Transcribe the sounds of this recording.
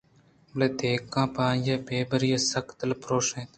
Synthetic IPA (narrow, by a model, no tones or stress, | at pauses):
bled̪eːkːãːpãːjaːbeːbəɾjɐsɐkt̪ɐlpɾoːʃẽːt̪